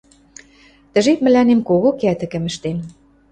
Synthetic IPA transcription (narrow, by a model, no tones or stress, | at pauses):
t̪ə̆ʒet̪̚mɘ̆lænemkoɣokæt̪ɘ̆kə̆mə̆ʃt̪en